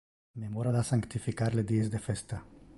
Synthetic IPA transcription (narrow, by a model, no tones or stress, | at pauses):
memoɾaðasaŋkt̪ifikaɾled̪iezd̪efest̪a